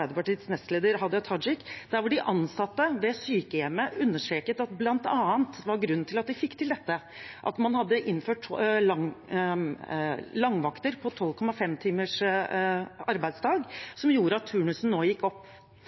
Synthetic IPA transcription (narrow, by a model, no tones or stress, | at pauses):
æɪd̪əpɑʈiːət̪snɛst̪leːd̪əɾɦɑd̪ət̪ʰɑd͡ʒɪkːd̪̥æɾʋʊɖɪʔɑnsɑt̪ːəʋɛsyːkəjɛməʉnːəʂʈɾeːkət̪ɑt̪blɑnt̪ɑːənt̪ʋɑɾɡɾʉnn̩ʰɪlɑt̪̚d̪ɪfɪkːt̪ʰɪld̪ɛt̪ːə | ʔɑ̰t̪mɑnhɑd̪ːəʔɪnːføːʈlɑ | lɑŋʋɑkt̪əɾpʰɔt̪ʰɔlkʰɔmːɑfɛmt̪ʰiːməʂ | ɑɾbæɪd̪sd̪ɑːɡsɔmjuːɾəɑt̪ʰːʉːɳʉsn̩noːjɪkːɔpː